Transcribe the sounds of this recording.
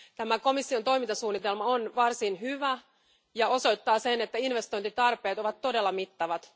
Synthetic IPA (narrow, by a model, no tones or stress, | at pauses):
t̪æmæko̞misːiot̪o̞jmint̪ɑsuːnːit̪elmɑonʋɑrsinhyʋæ | jɑo̞so̞jt̪ːɑːsenet̪ːæinʋe̞st̪ojnt̪it̪ɑrpe̞ːt̪o̞ʋɑt̪ːo̞delːɑmit̪ːɑʋɑt̪